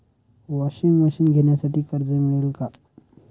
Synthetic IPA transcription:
ʋaɕiŋɡməɕiːnɡʱeɳjasaʈiːkəɾd͡zəmiɭelka

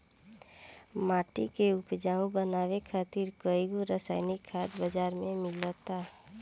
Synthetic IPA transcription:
maːʈikeʊpd͡ʒaːũbənaːwekʰaːt̪ɪɾkəiɡuɾəsaːɪnɪkʰːaːd̪bəd͡ʒaːɾmẽmɪlət̪aː

